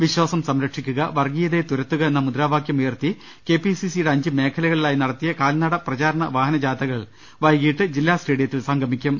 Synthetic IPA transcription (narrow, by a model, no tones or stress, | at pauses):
ʋiɕwaːsɐmsɐmɾɐkʂikʲːuɣɐʋɐrɡijɐðe̞t̪uɾɐt̪ːuɣɐenːɐmud̪ɾaːbʱaːkjɐmeːrt̪i | ke̞ːpisisijɽeɐɲd͡ʑɨme̞ːkʰɐlɐɣɐɭilaːjinɐɽɐt̪ːijɐkaːlnɐɽɐprɐt͡ɕaːɾɐɳɐʋaːɦɐnɐd͡ʑaːt̪ɐɣɐɭ | ʋɐjɣijʈːɨd͡ʑilːaːsʈe̞ːɽijɐt̪ːilsɐŋɡʱɐmikʲːum